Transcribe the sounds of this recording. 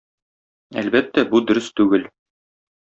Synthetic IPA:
æ̰lbæt̪ːæbud̪ɵ̆ɾɘst̪ʉɡɘl

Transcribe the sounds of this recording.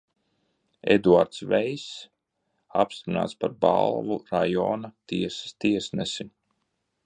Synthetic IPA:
ḛd̪uaɾt̪svɛjs | a̰pst̪ɾina̰ːt̪spaɾba̰lˠvuɾajɔ̰ːnat̪iɛse̥st̪iɛsnɛsi

